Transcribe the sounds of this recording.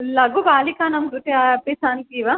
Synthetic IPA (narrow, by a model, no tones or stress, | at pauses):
lɐɡubaːlikaːnɐmɡuʈeapisaːnkiʋa